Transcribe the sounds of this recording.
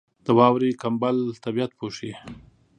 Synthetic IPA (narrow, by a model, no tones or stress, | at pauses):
d̪̥əwɑwɾikambalt̪abijat̪̚pʰoʃi